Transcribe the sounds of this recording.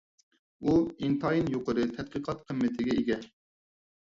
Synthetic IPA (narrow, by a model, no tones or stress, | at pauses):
uint̪ɑinjoqəɾɨt̪ʰɛd̪̚qəqʰɑt̪qʰəmːɪt̪ʰɪɡʲɛeɡʲɛ